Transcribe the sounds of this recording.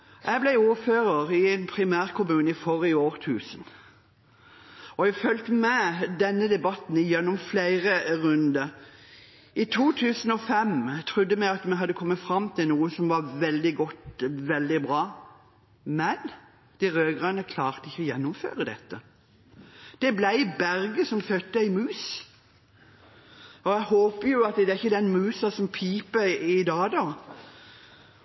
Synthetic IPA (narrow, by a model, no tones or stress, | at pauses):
ʔæɪblæɪuːɾføːʁəʁɪɛnpʰɾɪmæːʁkʰʊmʉːnəɪfɔɾɪoːʁt̪ʰʉːsən | ɔæfœlt̪mɛd̪ɛnːəd̪ɛbɑt̪n̩ɪjɛnːɔmflæɪʁəʁʉnd̪ə | ɪt̪ʰuːt̪ʰʉːsən̩ɔfɛmt̪ʰʁʊd̪ːəmæɪɑt̪mɛɪɦɑd̪ːəkʰɔmːət̪fɾɑmt̪ʰɪlnuːəsɔmʋɑɾʋɛld̪ɪɡɔt̪ʋɛld̪ɪbʁɑː | mɛn | d̪̥ɪʁøːɡʁɑnəkʰlɑːʁt̪əɪçːəɔjɛnːʊmfø̰ːɾəd̪ɛt̪ːə | d̪̥ɛblæɪbæʁɡəsɔmfœt̪ːəɪmʉːs | ɔjæɪhoːpəjʊɑt̪̚d̪ɛæɪçːəd̪ɛnmʉːsɑsɔmpʰiːpəɪd̪ɑːd̪ɑː